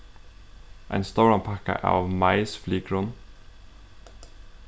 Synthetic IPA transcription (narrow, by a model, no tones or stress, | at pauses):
ʔæ̰ɪnst̪oʊɹɑnpʰɑkə̰ʔæ̰ːɑːʋmɑɪsflyːɡɾʉn